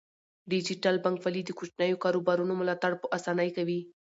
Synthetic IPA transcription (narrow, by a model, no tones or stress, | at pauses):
ɖid͡ʒiʈalbaŋkfalid̪əkot͡ʃnajokɑɾobɑɾunomʊlɑt̪aɽpəʔasɑnəjkawi